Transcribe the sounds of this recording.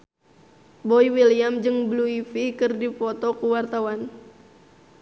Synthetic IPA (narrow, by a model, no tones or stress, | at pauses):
boiwiliamd͡ʒɨŋbluifikɨrdipɔt̪ɔkuwart̪awan